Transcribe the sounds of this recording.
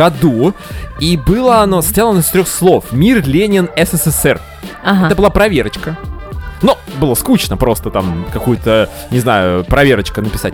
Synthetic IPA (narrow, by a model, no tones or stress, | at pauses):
ɐd̪uibɨlˠəɐno̞st̪jʲalˠənɪst̪ɾʲoxslˠo̞fmʲirlʲenʲɪnɛsɛsɛsɛr | ɦɛt̪əbɨlˠapɾɐvʲe̞ɾət͡ɕkə | nu | bɨlˠəskut͡ɕnəpɾo̞st̪ət̪amkɐkujʊt̪ə | nʲɪznajʊpɾɐvʲe̞ɾət͡ɕkənəpʲɪsat̚ʲ